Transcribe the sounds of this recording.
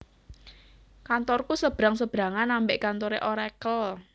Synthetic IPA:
kant̪ɔrkusəb̥ɾaŋsəb̥ɾa̤ŋanambɪʔkant̪oɾeʔoɾɛkəl

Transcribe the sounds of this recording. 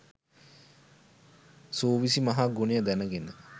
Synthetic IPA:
soːʋisimaɦaɡunejəd̪ænəɡenə

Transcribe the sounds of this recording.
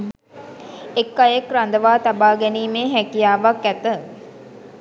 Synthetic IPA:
ekːajekɾand̪əʋaːt̪abaːɡɛniːmeːɦækijaːʋakːæt̪ə

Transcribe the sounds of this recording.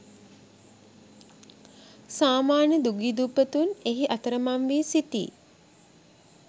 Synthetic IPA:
saːmaːnjəd̪uɡid̪upət̪uneɦiʔat̪əɾəmamʋiːsit̪ḭː

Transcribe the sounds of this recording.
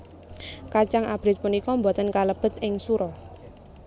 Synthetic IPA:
kat͡ʃaŋʔab̥ɾɪt̪̚punikɔmbot̪ənkaləb̥ə̤t̪̚ɪŋsuɾɔ

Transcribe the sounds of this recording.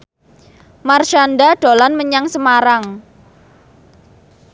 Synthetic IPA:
marʃanɖaɖ̥olanməɲaŋsəmaɾaŋ

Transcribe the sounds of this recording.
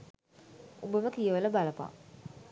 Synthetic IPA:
obəʋəkijəʋələbaləpa̰

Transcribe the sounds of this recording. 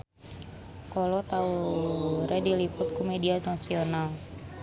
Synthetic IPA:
kɔlɔt̪auɾɛdilipʊt̪̚kumedianasional

